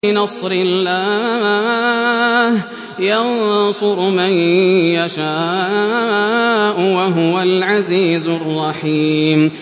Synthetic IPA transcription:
ɪnɑsˤɾɪlːaː | h | jɑnsˤʊɾmanjaʃaː | ʔʊwaɦʊwalʕaziːzʊrˤːɑħiːm

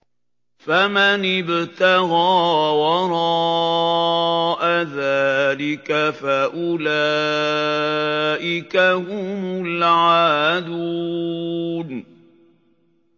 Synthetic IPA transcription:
famanɪbt̪ɑɣɑːwɑɾˤɑ | ʔaðaːlɪkafaʔʊlaː | ʔɪkahʊmʊlʕaːd̪u | n

